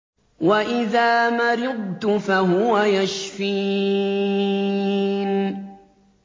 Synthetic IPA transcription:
waʔɪðaːmaɾɪd̪̚ˤt̪ʊfaɦʊwajaʃfiː | n

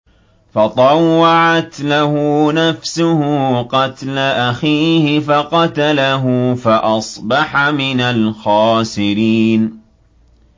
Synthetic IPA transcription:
fɑt̪ˤɑwːɑʕat̪lahʊnafsʊhʊqɑt̪laʔaxiːhɪfaqɑt̪alaɦʊfaʔɑsˤbɑħamɪnalxɑːsɪɾiːn

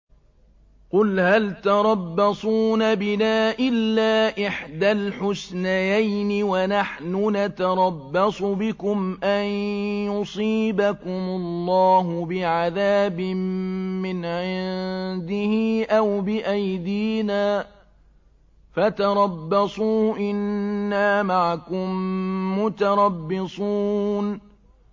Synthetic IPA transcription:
qʊlhalt̪ɑɾˤɑbːɑsˤuːnabɪnaːʔɪlːaːʔɪħd̪alħʊsnajajnɪwanaħnʊnat̪ɑɾˤɑbːɑsˤʊbɪkʊmʔanjʊsˤiːbakʊmʊlːɑːɦʊbɪʕaðaːbɪmːɪnʕɪnd̪ɪhiʔawbɪʔajd̪iːnaː | fat̪ɑɾˤɑbːɑsˤuːʔɪnːaːmaʕakʊmːʊt̪ɑɾˤɑbːɪsˤuːn

